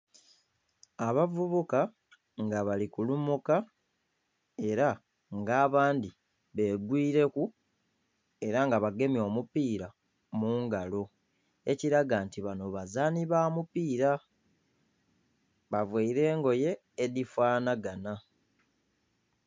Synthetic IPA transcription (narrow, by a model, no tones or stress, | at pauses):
aβavuβuka | ŋɡaβalikulumuka | e̞ɾa | ŋɡaːβaːndi | βeːɡwiːɾe̞ku | e̞ɾaŋɡaβaɡe̞mjo̞ːmupiːɾa | muːŋɡalo̞ | e̞ciɾaɡantiβano̞βazaːniβaːmupiːɾa | βavweiɾe̞ːŋɡo̞je̞ː | difwaːnaɡana